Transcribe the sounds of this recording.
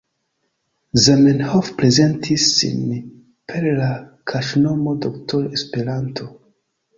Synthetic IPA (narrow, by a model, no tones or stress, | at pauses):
zamenhofpɾeze̞ntʰizːḭn | pʰeɾlakʰaʃno̞modoktoɾespeɾantʰo̞